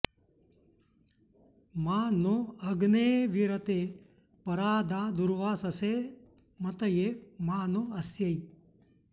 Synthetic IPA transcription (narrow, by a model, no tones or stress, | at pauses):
mãːnoɐɡneːʋiɾət̪e | pɐɾaːd̪aːd̪uɾʋaːsɐse | mɐt̪əjemaːnoɐsjɐi